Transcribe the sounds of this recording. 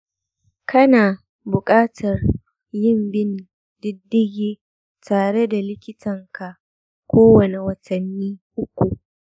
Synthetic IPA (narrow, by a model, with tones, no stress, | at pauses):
kʰɐ˦naː˨ | bʊ˨kʼaː˦tʰɐ˨r | jɪ˦mbɪ˦n˨ | dɪ˦dːɪ˦ɡʲeː˦ | tʰaː˨ɽe˦da˨lɪ˦kʲɪ˦tʰɐ˨ŋkʰa˨ | kʷoː˦wɐ˨ne˨wɐ˨tʰɐ˨nːiː˦ʔʊ˦kʷu˨ʔ